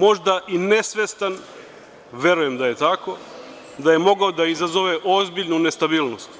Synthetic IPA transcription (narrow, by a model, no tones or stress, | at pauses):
mo̞ʒd̪aʔinesʋest̪an | ʋe̞ɾujemd̪aje̞t̪ako̞ | d̪ajemo̞ɡaod̪aizazoʋeʔo̞zbiʎnunest̪abiːlnost̪